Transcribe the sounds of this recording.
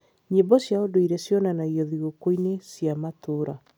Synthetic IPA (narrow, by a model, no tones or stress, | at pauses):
ɲembɔsjaodoiɾɛsjɔnanaiɔðiɣokoinesjamatoːɾa